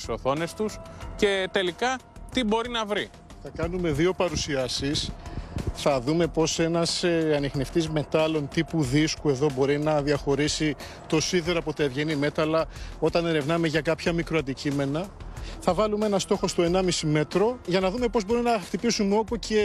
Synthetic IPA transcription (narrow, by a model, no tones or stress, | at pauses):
soθo̞ne̞st̪usce̞t̪e̞likɐt̪ibo̞ɾinɐvɾi | θɐkɐnume̞ðio̞pɐɾusiɐsis | θɐðume̞po̞se̞nɐseɐnixneft̪izme̞t̪ɐlo̞nt̪ipuðiskue̞ðo̞bo̞ɾinɐðiɐxo̞ɾisi | t̪o̞siðeɾɐpo̞t̪ɐevʝe̞nime̞t̪ɐlɐo̞t̪ɐne̞ɾe̞vnɐme̞ʝɐkɐpçɐmikɾoɐnd̪icime̞nɐθɐvɐlumee̞nɐst̪o̞xo̞st̪oe̞nɐmisime̞t̪ɾo̞ʝɐnɐðume̞po̞zbo̞ɾinɐxt̪ipisumeo̞puce